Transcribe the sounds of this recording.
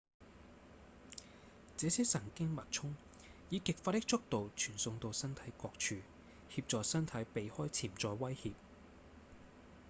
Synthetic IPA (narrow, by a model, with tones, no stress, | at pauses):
t͡sɛː˨˧˥siː˥sɐ˨˩ŋkɪ˥ŋmɐ˨t̚t͡sʰʊ˥ŋ | jiː˨˧kɪ˨k̚faː˧t̪ɪ˥k̚t͡sʊ˥k̚t̪o˨wt͡ʃʰyː˨˩nsʊ˧ŋt̪o˧wsɐ˥nt̪ʰɐ˨˥jkɔː˧k̚t͡ʃʰyː˧ | hiː˧p̚t͡sɔː˨sɐ˥nt̪ʰɐ˨˥jpe˨jhɔː˥jt͡sʰiː˨˩mt͡sɔː˧jwɐ˥jhiː˧p̚